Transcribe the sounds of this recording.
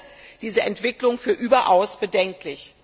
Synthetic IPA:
d̥iːzəʔɛntv̥ɪklʊŋfyːɐʔyːbɐʔaʊsb̥ədɛŋklɪç

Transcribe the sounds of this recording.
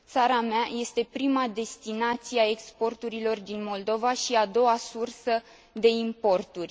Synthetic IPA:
t̪saɾameaje̞st̪e̞pɾimad̪e̞st̪inat̪sieae̞kspo̞rt̪uɾilo̞rd̪inmo̞ld̪o̞vaʃiad̪o̞wasursə | d̪e̞impo̞rt̪urʲ

